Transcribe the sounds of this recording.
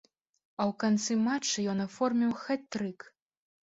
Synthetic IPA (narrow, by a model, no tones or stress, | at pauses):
ɐwkant̪sɨmat͡ʂːɨjɔnafɔrmʲiwxat̪ːɾɨk